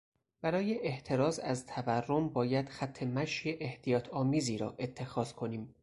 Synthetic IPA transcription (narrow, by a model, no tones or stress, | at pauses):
b̥æɾɒːjeʔeht̪ʰe̞ɾɒːzæzt̪ʰæværːo̞mbɒːjæd̪̥xæt̪ʰːe̞mæʃjeʔeht̪ʰijɒːt̪ʰɒːmiːziːɾɒ̰ːʔe̞t̪ʰːe̞xɒːzkʰo̞niːm